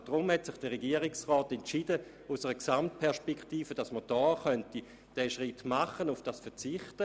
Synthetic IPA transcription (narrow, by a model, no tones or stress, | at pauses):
d̥ʁʊmhɛtsɪχd̥əʁeɡiəʁɪksʁɔːtɛnt͡ʃid̥ə | usəʁəksamt̚pʰɛɐʃpɛkχtiːfəd̥asməd̥ɔːχœnti | d̥ɛːʃʁitmaχənufd̥asfɛɐt͡sɪχtə